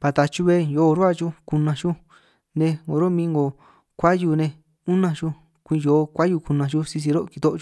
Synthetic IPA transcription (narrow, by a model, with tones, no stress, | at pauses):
pa˨˧t̪a˧t͡ʃu˦˧βe˦jo˨˧ɾo˦a˦˧t͡ʃu˦ku˧nã˧t͡ʃu˦ | nẽ˧ŋɡo˨ɾo˦mĩ˧ŋɡo˨ | kʷa˦ju˧nẽ˧ | u˦nã˧t͡ʃu˦ | kʷĩ˧joː˨˧kʷa˦ju˧ku˧nã˧t͡ʃu˦si˧s̬i˧ɾo˦˧ki˨˧t̪o˦ʔt͡ʃu˧